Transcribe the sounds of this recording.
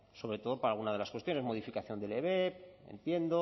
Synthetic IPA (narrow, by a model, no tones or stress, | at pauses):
so̞βɾe̞t̪o̞ð̞o̞paɾalɣunað̞e̞laskwet̪jo̞ne̞zmo̞ð̞ifikaθjo̞nd̪eleβepe̞̰nt̪je̞nd̪o